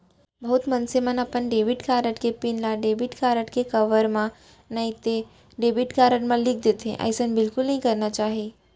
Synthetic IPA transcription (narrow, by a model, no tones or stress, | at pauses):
bɐɦʊt̪mɐnsemənəpənɖeːʋɪʈkaːɾəʈkepinlaɖeːbiʈkaːɾəʈkekɐʋəɾmã | nɐɦĩt̪e | ɖeːbɪʈkaːɾəʈmãlɪk̚ʰd̪et̪ʰḛ̃ʔa̰jsə̃nbɪlkʊlnɐɦĩkɐɾnat͡ʃaːɦe